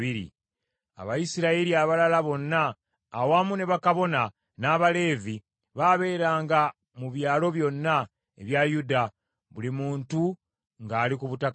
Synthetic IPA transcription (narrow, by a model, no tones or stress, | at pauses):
iɾḭ | a̰βajisiɾaeɾiaβalalaβo̞nːaː | wamune̞βakaβo̞na | naːβale̞ːvi | βaβe̞ːɾaːŋɡa | muβjaːlo̞βjo̞nːa | ḛβjajuda | βulimuːntu | ŋɡaːlikuβutak